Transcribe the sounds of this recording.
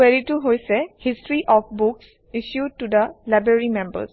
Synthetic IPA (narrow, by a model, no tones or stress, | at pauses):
eɹituɦojsɛhistɹiʔɔfbʊks | iʃjud̚tud̪əlajbɹaɹimɛ̃mbə̰s